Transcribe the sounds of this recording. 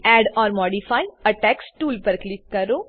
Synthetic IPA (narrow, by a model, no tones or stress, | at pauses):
ɛːɖɔːɾmɔːɖipʰaːiəʈɛːksʈuːlpəɾklɪkːəɾoː